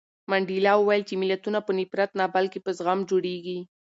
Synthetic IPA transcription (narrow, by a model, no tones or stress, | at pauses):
maɳɖilɑwəwajəlt͡ʃemɪlat̪unapənipɾat̪nabalkepəzɣamd͡ʒoɽeɡi